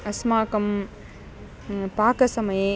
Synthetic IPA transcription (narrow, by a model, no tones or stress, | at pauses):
ɐsmaːkɐm | paːkɐsɐmɐjẽ